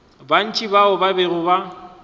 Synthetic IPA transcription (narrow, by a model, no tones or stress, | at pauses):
ban̩t͡ʃʼibaʊbaberʊba